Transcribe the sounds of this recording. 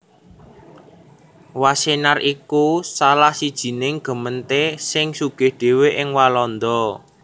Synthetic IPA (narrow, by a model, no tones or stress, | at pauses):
wasenarʔikusalahsid̥ʒ̥i̤nɪŋɡ̥ə̤mənt̪esɪŋsuɡ̥ɪ̤hɖ̥e̤weʔɪŋwalɔnd̪ɔ